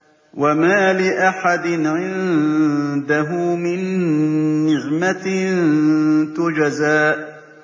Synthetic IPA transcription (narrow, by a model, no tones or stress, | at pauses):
wamaːlɪʔaħad̪ɪnʕɪn | d̪aɦʊmɪnː | ɪʕmant̪ʊd͡ʒazaːʔ